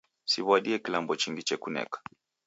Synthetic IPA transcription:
siβwaɗiɛkilambɔt͡ʃiŋɡit͡ʃɛkunɛ̰kḁ

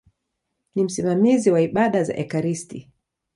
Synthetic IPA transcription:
nim̩simamiziwaiɓaɗaza̰ʔɛkaɾisti

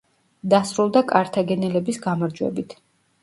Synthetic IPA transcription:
d̪asɾulˠd̪akʼaɾt̪ʰaɡɛnɛlɛbisɡamaɾd͡ʒwɛ̰bit̪ʰ

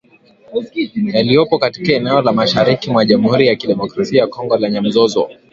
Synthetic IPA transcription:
jalijɔpɔkati̥kaɛnɛɔlamaʃaɾikimwaʄamuhuɾijakiɗɛmɔkɾasiajakɔŋɡɔlɛɲam̩zɔzɔ̰

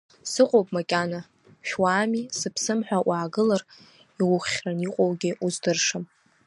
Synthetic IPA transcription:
sɨqʷʼowpʼmakʲʼana | ʃᶣwaːmisɨpʰsɨmħʷᶣawʔaːɡɨlar | iwʊχʲraniqʷʼowɡʲiʔuzdɨrʂam

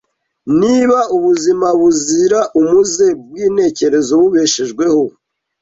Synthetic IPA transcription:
niβauβuzimaβuziɾaʔumuzebɡwiːne̞ːce̞ɾe̞zo̞βuβe̞ʃeʒɡwe̞ho̞

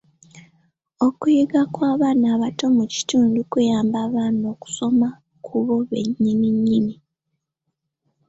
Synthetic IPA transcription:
o̞kujiɡakwaːβaːnaːβato̞muci̥tuːndukujaːmbaːβaːno̞ku̥so̞ma | kʰuβo̞βḛɲːiniɲːini

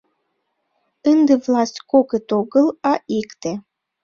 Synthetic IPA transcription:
ənd̪ĕvlˠɑsʲtʲkoɣət̪oɣəlɑʔikt̪e

